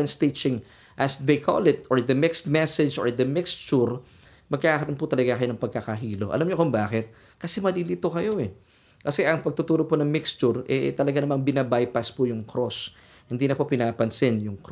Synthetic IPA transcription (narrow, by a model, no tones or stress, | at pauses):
nst̪et͡ʃɪŋ | ʔɐsd̪ejkʰo̰lɪt̪oɹd̪ɐmɪkst̪mɛsɛd͡ʒʔo̰ɹd̪ɐmɪkst͡ʃʊɾ | mɐɡ̚kaːkɐɾonpʊt̪ɐlɐɡakɐjo̞nɐŋpɐɡ̚kakɐɦiːlo̞ʔɐ̰lamɲokombaːkɪt̪̚ | kɐsɛmɐliːlit̪okɐjo̞ʔɛ | kɐsɛʔɐŋpɐɡ̚t̪ʊt̪uːɾoponɐŋmɪkst͡ʃʊɹʔɛ̰t̪ɐlɐɡanɐmanbɪnabajpɐspʊjʊŋkɾos | hɪnd̪iːnɐpopɪnaːpɐnsɪnjʊŋk